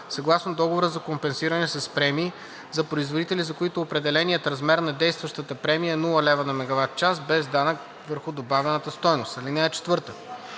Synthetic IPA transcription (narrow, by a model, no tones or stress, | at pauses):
sɐɡlˠasnod̪ɔɡovoɾəzɐkompɛnsiɾɐnɛsɐspɾɛmiː | zɐpɾoizvod̪it̪ɛlʲizɐkoit̪oːpɾɛd̪ɛlɛnijət̪ɾɐzmɛɾnɐd̪ɛjst̪vəʃt̪ət̪əpɾɛmijəɛnulˠəlɛvənɐmɛɡɐvat̪̚t͡ʃasbɛzd̪anək | vəɾxʊd̪obavʲɛnət̪əst̪ɔjnost̪ɐlinɛːt͡ʃɛ̥t̪vɤɾt̪ə